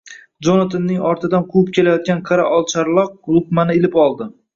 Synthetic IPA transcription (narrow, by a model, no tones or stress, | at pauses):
d͡ʒonat̪ʰanːɪŋɒɾt̪ɪd̪anqʰʊɪp̚kʲe̞lajɒt̪̚kʲanqʰaɾaʔɒlˠt͡ʃʰaɾlˠɒq̚lˠʊkmanɪɪlɪpɒlˠd̪ɪ